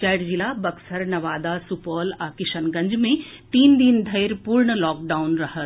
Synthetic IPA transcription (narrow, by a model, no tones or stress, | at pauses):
t͡ʃajɽd͡ʒilabɐɡsəɾnɐʋaːd̪asupɔːlaːkɪʃənɡɐ̃ɲd͡ʒmẽt̪iːnd̪ind̪ʱɐjɾpuɾɳəlɔːk̚ɖaːʊnɾɐɦət̪